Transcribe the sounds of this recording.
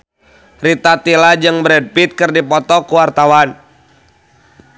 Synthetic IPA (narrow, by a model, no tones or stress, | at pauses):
rit̪at̪ilad͡ʒɨŋbɾɛd̚pit̪̚kɨrdipɔt̪ɔkuwart̪awan